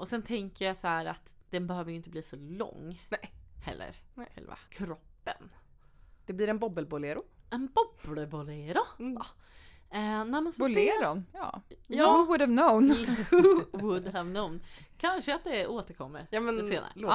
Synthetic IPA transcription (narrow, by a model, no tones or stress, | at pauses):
ʔɔsɛnt̪ʰɛŋkəɾjasɔhæːɾa̰t̪d̪̥ɛnbɛhøːvəjʏɪnt̪əb̪liːsɔlɔ̰ŋːhɛ̰lːə̰ɾɛ̰lva̰kʰɾɔpːən | d̪̥ɛbliːɾɛnbɔbəlbʊleːɾʊɛnbɔbləbʊleɾʊ | ɛnɛmɛnsɾnjɑ̰jɑːwʊd̪ævnoʊnhuwʊd̪ɦævnoʊnkʰanʂəat̪̚d̪ɛoːt̪əɾkʰɔmːə̰ɾmɛnseːna̰ɾ̰